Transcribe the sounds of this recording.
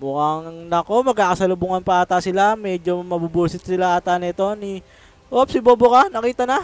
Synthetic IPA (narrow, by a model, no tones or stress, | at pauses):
mʊkɐŋnɐko̞mɐɡkaːkɐsɐlʊbuŋɐnpɐʔat̪asɪlamɛd͡ʒo̞mɐbubuːsɪt̪̚sɪlaʔat̪anɐɛt̪o̞ni | ʔop̚sɪbo̞ːbokanɐkiːt̪ɐnɐ